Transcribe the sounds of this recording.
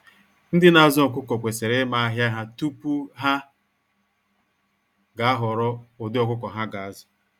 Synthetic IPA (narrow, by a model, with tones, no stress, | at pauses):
n̩˦dɪ˦na˨˦zɔ˨k̬ʷʊ˦kɔ˨kʷe˨se˨ɾe˦ma˦a˦ɦja˦ɦa˦tu˦pu˦ɦa˦ | ɡa˨a˦ɦɔ˨ɾɔ˦o˨dɪ˦ɔ˨kʊ˦kɔ˨ɦa˦ɡa˨a˦zʊ˨